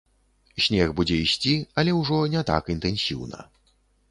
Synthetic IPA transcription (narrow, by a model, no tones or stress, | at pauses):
sʲnʲɛxbud͡zʲɛisʲt͡sʲiɐlʲɛwʐɔnʲɛt̪a̰kint̪ɛnsʲḭwnɐ̰